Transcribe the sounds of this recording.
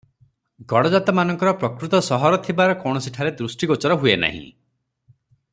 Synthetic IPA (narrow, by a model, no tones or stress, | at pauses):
ɡɔɽɔd͡ʒat̪ɔmanɔŋkɔɾɔpɾɔkɾut̪ɔsɔɦɔɾɔt̪ʰibaɾɔkɔwɽ̃ɔsiʈʰaɾed̪ɾusʈiɡɔt͡ʃɔɾɔɦuena̰ɦḭ̃